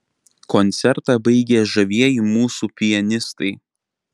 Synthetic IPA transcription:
kɔnʲt̪sʲɛɾt̪ɑˑbɐɪɡʲeʒɐʋʲiɛjiːˑmuːsupʲɪjɛnʲɪst̪ɐɪ

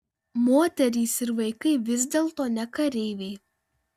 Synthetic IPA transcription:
moːt̪ʲɛɾʲiːsɪɾʋɐɪkɐɪʋʲɪzʲd̪ʲeːlˠt̪oːnʲɛkɐɾʲeɪʋʲɛɪ

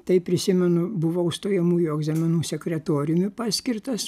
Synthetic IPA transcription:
t̪ɐɪpʲɾʲɪsʲɪmʲɛnʊbʊʋoʊʃt̪oːjɛmuːjʊɛɡzɑːmʲɛnuːsʲɛkʲɾʲɛt̪oːɾʲɪjʊmʲɪpɑːsʲkʲɪrt̪ɐs

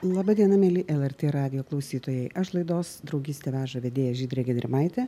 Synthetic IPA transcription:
lˠɑbɐd̪ʲiɛnɐmʲɛlʲɪʔɛlˠɛɾʲt̪ʲeːɾɑːd̪ʲɪjoːklˠɐʊsʲiːt̪oːjɛɪʔɐʃlˠɐɪd̪oːsd̪ɾɒʊɡʲiːsʲt̪ʲɛʋʲæːʒɐʋʲɛd̪ʲeːjɛʒʲiːd̪ʲɾʲeːɡʲɛd̪ʲɾʲɪmɐɪt̪ʲɛː

